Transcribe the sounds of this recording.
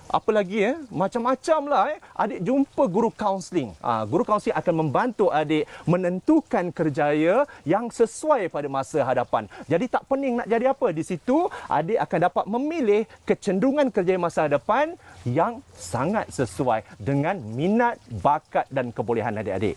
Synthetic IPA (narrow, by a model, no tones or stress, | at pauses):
ʔa̰pəlaɡiəmat͡ʃamːat͡ʃamlaʔa̰dɪʔ̚d͡ʒumpəɡuɾukaunslɪŋə̰ɡuɾukawunsliŋakanmə̃mbant̪uadeʔmə̃nə̃nt̪ukankərd͡ʒajəjaŋsəsuajpadamasəɦadapa̰nd͡ʒadit̪aʔpənɪŋna̰ʔd͡ʒadiapədisit̪uʔa̰deʔakandapat̪̚mə̃milɪhkət͡ʃənduŋãnkərd͡ʒajəmasaɦadapanjaŋsaŋat̪̚səsuajdəŋãnmĩnat̪̚bakat̪̚dankəbolɛɦanadɪʔa̰dḛʔ